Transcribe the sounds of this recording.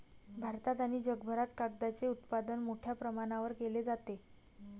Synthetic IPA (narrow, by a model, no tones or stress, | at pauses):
bʱaɾt̪at̪aniːd͡ʑəɡbʱəɾat̪kaɡd̪at͡seut̪pad̪ənmoʈʰjapɾəmaɽ̃aʋəɾkeled͡zat̪e